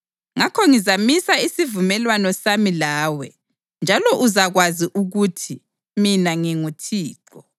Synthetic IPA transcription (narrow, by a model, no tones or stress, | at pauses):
ŋakʰɔŋizamisaisivumɛlwanɔsamilaːwɛ | nd͡ʒʱalɔʔuzaɣwaziʔuɣutʰi | minaŋiŋutʰiːǃɔ